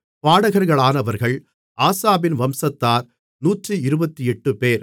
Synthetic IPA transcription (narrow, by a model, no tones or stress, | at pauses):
paːɽɐɣɐɾɣɐɭaːnɐʋɐɾɣɐɭ | ʔaːsaːbɪnʋɐmsɐt̪ːaːɾ | nuːʈrɯɪɾɯbɐt̪ːiɛʈːɯpeːɾ